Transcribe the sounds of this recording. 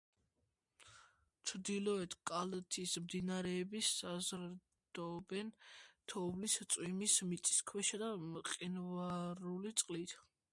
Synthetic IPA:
t͡ʃʰɾd̪ilɔɛt̪ʰkʼalat̪ʰismd̪inaɾɛːbisazɾ | d̪̥ɔbɛnt̪ʰɔvlist̪sʼwimismit̪sʼi̥skʰwɛʃad̪aqʼinvaɾulit̪sʼqʼlit̪ʰ

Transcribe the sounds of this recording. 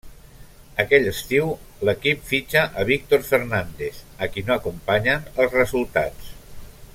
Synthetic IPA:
əkɛʎəst̪iwləkipfit͡ʃəʔəβik̚t̪orfəɾnand̪eθəkinoəkumpaɲənəlˠzrəzulˠt̪a̰t͡s

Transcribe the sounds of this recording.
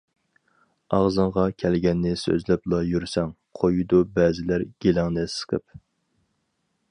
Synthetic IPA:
ɑʁzɨɴʁɑkʲʰɛlɡʲɛnːɪsø̰zlɛplˠɑjyɾsɛŋ | qʰojud̪ubɛːzɪlæɾɡ̥ʲelɪŋnɛsqʰəp

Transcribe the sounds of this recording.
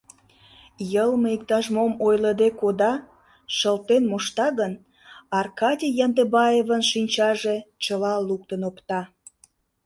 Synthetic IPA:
jəlməik̚t̪ɑʃmomojləd̪ekod̪ɑ | ʃəlt̪enmoʃt̪ɑɣən | ɑrkɑdʲijɑnd̪ebɑjevənʃinʲt͡ɕɑʒet͡ɕəlɑluk̚t̪ənopt̪ɑ

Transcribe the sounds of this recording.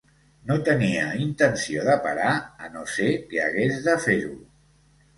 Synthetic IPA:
not̪əniəint̪ənsioðəpaɾaənosekea̰ɣezðəfeɾu

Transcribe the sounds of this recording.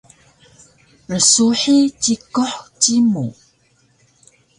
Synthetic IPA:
rəsuħit͡ɕikoħt͡ɕimu

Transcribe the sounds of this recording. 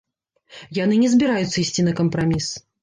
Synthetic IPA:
janɨnʲɛzʲbʲiɾajut̪sːɐisʲt͡sʲinɐkɐmpɾamʲis

